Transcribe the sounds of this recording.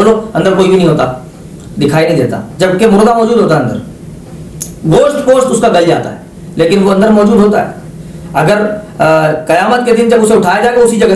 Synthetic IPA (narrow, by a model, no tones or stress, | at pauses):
loɐ̃nd̪əɾkoːibʱinɐɦĩɦoːt̪a | d̪ɪkʰaːinɐɦĩd̪eːt̪a̰d͡ʒɐbkemʊɾd̪amɔːd͡ʒuːd̪ɦoːt̪aɦɛɐnd̪ə̰ɾ | ɡoːʃʈpoːsʈʊskabɐld͡ʒa̰ːt̪a̰ɦɛː | leːkɪnʋoɐ̃nd̪əɾmɔːd͡ʒuːd̪ʱɦoːt̪a̰ɦɛ̰ː | ɐɡəɾ | kɐjaːmət̪ked̪ɪnd͡ʒɐbʊseʊʈʰaːjad͡ʒaːeɡʊsid͡ʒɐɡ